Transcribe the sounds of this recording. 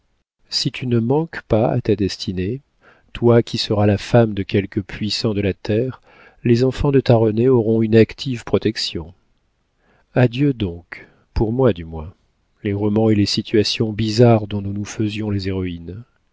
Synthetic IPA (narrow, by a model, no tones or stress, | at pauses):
sit̪ʰynəmɑ̃kpaa̰t̪ad̪ɛst̪ʰine | t̪wakʲisəʁalafamd̪əkʲɛlkəpʰɥisɑ̃d̪əlat̪ʰɛʁ | lezɑ̃fɑ̃d̪ət̪aʁɔneɔʁɔ̃ynakt̪ʰivpχɔt̪ɛksjɔ̃ | ad̪jød̪ɔ̃k | puʁmwad̪ymwɛ̃ | leʁɔmɑ̃elesit̪ʰyasjɔ̃bizaʁd̪ɔ̃nunufəzjɔ̃lezeʁɔin